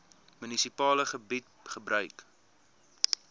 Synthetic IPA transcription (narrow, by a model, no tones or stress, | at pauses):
mynisipɑːləχəbit̚χəbrœɥk